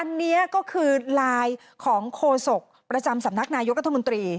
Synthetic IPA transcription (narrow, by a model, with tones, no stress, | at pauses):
ʔa˧nːi˦˥ɐkɔː˥˩kʰɯː˧laː˧j | kʰɔː˩˦ŋkʰoː˧so˨˩k̚pɾa˧t͡ɕa˧msa˨˩˦mna˦˥k̚naː˧jo˦˥k̚ɾa˦˥t̪ʰːmo˧nt̪ɾiː˧